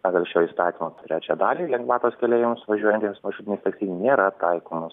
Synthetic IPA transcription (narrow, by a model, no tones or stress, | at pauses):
pɑːɡɐlʲˠʃʲoːjist̪ɑːt̪ʲiːmoːt̪ʲɾʲæːt͡ʃʲæːd̪ɑːlʲiːlʲɛŋɡʋɑːt̪oːskʲɛlʲeːjɪmʊsʋɐʒʲuɔjɛnʲt̪ʲeːmsmɐʃʲuːt̪ʲɪnʲɛɪst̪ɐksʲiːnʲnʲeːɾɐt̪ɐɪkoːmo